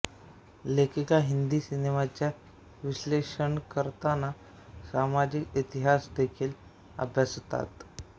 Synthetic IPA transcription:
lekʰikaɦind̪iːsinemat͡ɕja | ʋiɕleʂəɳkəɾt̪ana | samad͡ʑikit̪iɦasd̪ekʰiːl | ə̰bʱjast̪a̰t̪

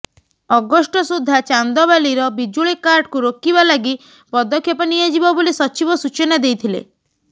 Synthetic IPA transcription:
ɔɡɔsʈɔsud̪ʱːat͡ʃand̪ɔbaliɾɔbid͡ʒuɭikaɾʈkuɾokibalaɡi | pɔd̪ɔkʰːjɔpaniad͡ʒibɔbolisɔt͡ʃibɔsut͡ʃɔnad̪ejt̪ʰilḛ

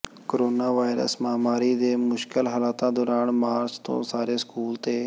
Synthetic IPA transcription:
koɾoːnaːʋaːɪɾə̰smaːmaːɾiːd̪eːmʊʃkɪlɦəlaːt̪ãːd̪oːɾaːɳmaːɾt͡ʃt̪õ̰ːsaːɾeːskuːlt̪eː

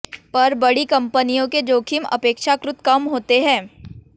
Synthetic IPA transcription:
pɐɾbɐɽikɐ̃mpənijõked͡ʒoːkʰimɐ̰peːkʃakɾʊt̪kɐmɦoːt̪eɦɛ̃ː

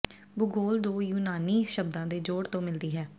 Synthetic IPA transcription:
bʊɡoːld̪oːjuːnaːniːʃəbd̪ãːd̪eːd͡ʒoːɽt̪õːmɪld̪iːɦɛː

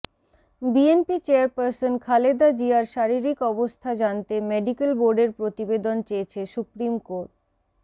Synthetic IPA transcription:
bienpit͡ɕeaɾpaɾsonkʰaled̪ad͡ʑiaɾʃaɾiɾikɔbost̪ʰad͡ʑant̪emeɖikelboɾɖeɾpɾot̪ibed̪ont͡ɕejet͡ɕʰesupɾimkoɾʈ̚

